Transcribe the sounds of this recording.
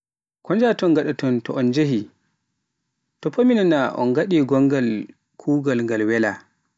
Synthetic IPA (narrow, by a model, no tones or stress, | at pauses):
kʰɔnd͡ʒatɔnɡaɗatɔntɔʔɔnd͡ʒehi | tɔpʰːominanaʔɔ̰nɡaɗiɡɔŋɡal | kʰuːɡalŋɡalwɛla